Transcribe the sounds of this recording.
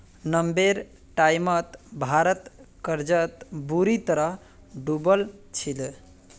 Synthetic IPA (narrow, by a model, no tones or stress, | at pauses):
nəmbeɾ | ʈajmət̪bʱaɾət̪kəɾd͡ʒət̪buɾit̪əɾʌɦ | ɖubəlt͡ʃʰil